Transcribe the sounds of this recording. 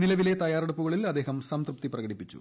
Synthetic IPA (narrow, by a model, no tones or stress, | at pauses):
nilɐʋile̞t̪ɐjaːɾeɽupːuɣɐɭilɐd̪ːe̞ːɦɐmsɐmt̪rup̚t̪iprɐɣɐɽipːit͡ɕːṵ